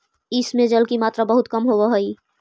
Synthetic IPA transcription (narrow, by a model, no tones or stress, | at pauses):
ɪsmẽd͡ʒəlkimaːt̪ɾabəɦʊt̪kəmɦoʋəɦəi